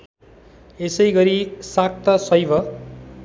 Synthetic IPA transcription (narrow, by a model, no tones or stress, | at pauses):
esʌjɡʌɾisak̚t̪ʌsʌjbʱʌ